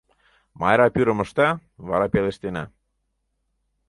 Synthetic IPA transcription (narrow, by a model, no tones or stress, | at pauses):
mɑ̰jɾɑpyɾə̆mə̆ʃt̪ɑβɑɾɑpeleʃt̪enæ̰